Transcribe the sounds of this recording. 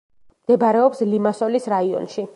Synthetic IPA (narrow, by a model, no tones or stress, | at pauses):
md̪̥ɛbaɾɛɔpslimasɔlisɾaiɔ̰nʃi